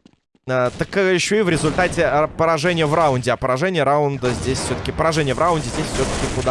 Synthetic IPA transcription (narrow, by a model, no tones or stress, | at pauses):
ət̪əkjɪɕːoɪvɾʲɪzʊlʲt̪atʲɪpəɾɐʐɛnʲɪjəvraʊnʲdʲɪɐpəɾɐʐɛnʲɪjəɾaʊnd̪əzʲdʲesʲfsʲot̪ə̥kʲɪpəɾɐʐɛnʲɪjəvɾaʊnʲdʲɪzʲdʲesʲfʲsʲot̪ə̥kʲɪkʊd̪a